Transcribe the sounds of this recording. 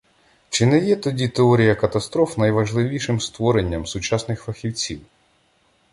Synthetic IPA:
t͡ʃɪnɛjɛt̪ɔdʲit̪eɔɾʲijɐkɐt̪ɐst̪ɾɔfnɐjʋɐʒlˠɪʋʲiʃɪmst̪ʋɔɾenʲːɐmsʊt͡ʃɑsnɪxfɐxʲiwt͡sʲiw

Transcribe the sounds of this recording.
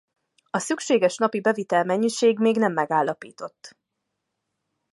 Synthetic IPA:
ɒsykʃeːɡɛʃnɒpibɛvit̪ɛlmɛɲːiʃeːɡmeːɡnɛmːɛɡaːlːɒpḭːt̪o̞t̪ː

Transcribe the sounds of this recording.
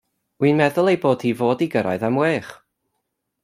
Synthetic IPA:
wiːnmɛðʊlˠejboːd̥iːvoːdiɡəɾa̰ɨðamweːχ

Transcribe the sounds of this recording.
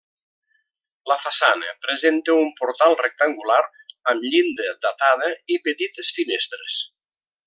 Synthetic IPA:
ləfasanə̰pɾezent̪əumpuɾt̪alˠrek̚t̪aŋɡulaɾ | əmʎind̪əd̪at̪að̞əipət̪it̪əsfinest̪ɾes

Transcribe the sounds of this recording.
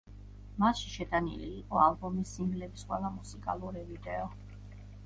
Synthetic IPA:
maʃiʃɛd̪anḭlḭːqʼɔalˠbɔmisːiŋɡlɛbisqʼwɛ̰lˠamusikʼa̰lˠuɾivid̪ɛɔ

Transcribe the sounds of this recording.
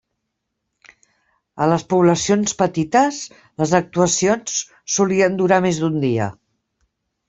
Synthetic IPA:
ələspuβləsionspət̪it̪əs | ləzək̚t̪uəsionsː | uliənd̪uɾamezd̪und̪iə̰

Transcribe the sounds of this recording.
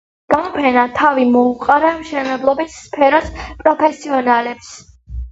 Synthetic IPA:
ɡ̥amɔpʰɛnat̪ʰavimɔuqʼaɾamʃɛnɛblˠɔbisːpʰɛɾɔspʼɾɔpʰɛsiɔnalɛps

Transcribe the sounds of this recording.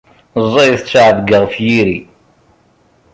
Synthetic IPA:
zˤːɑjθt͡sːʕəðɡəʁfjiɾi

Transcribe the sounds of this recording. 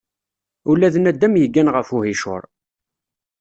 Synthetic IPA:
ulːæðənæd̪ːæmjəɡːænʁəfuɦiʃʊ̰ɾˤ

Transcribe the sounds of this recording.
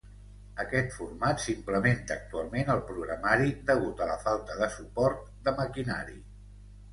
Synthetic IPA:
əkɛt̪furmat̪simpləment̪əək̚t̪ualˠmenəlˠpɾuɣɾəmaɾid̪əɣut̪ələfalˠt̪əðəsupɔɾt̪ | d̪əməkina̰ɾḭ

